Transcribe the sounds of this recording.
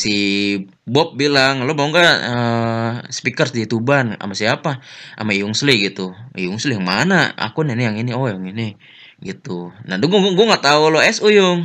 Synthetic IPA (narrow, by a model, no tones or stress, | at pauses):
si | bɔp̚bilaŋlobauŋɡaə | spikərsdit̪ubana̰masiapaʔa̰maijʊŋsliɡit̪uḭjʊŋslijaŋmanaa̰kunɛnijaŋiniɔjaŋini | ɡit̪unaduɡɡuɛŋat̪auloɛsujʊŋ